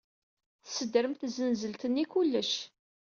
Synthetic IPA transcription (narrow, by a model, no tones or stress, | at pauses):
θsəd̪əɾəmt̪zənzəlt̪ənːikulːəʃ